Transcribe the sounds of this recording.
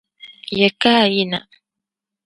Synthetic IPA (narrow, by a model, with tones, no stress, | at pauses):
jɛ˨ka˦˨ji˦na˨